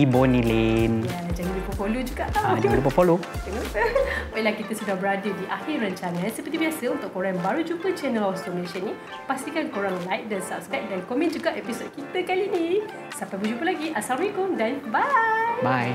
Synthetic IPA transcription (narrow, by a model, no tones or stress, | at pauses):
ibɔnĩlenjad͡ʒaŋilupəfolod͡ʒuɡa̰ʔt̪ad͡ʒlup̬əpolokənəpəwajlahkit̪əsudahbəɾadədiʔahɪrːəɲt͡ʃanãnsəpərt̪̬ibiasəunt̪ʊʔkːoɾaŋbaɾud͡ʒupət͡ʃɛnəlasdɔneʃənĩ | past̪ikankoɾãŋlajt̚dəsapsɡaʔ̚dankomɛ̃nd͡ʒuɡaʔepisot̚kit̪əkalinĩ | sampajbəd͡ʒupəlaɡiʔasamikʊmdanbajbaj